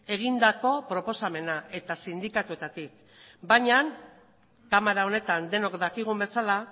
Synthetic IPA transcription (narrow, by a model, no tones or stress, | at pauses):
e̞ɣ̞ind̪ako̞pɾo̞po̞same̞naʔe̞t̪asind̪ikat̪ue̞t̪at̪ik̚ | baɲaŋ | kamaɾao̞ne̞t̪and̪e̞no̞kd̪akiɣ̞umbe̞sala